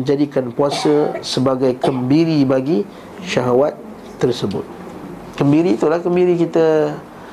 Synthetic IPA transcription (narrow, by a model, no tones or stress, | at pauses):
d͡ʒadikanpuasəsəbaɡajkəmbiɾibaɡi | ʃaɦawat̪ː | ərsəbʊ̰t̪̚ | kəmbiɾiːt̪ulahkəmbiɾikit̪ə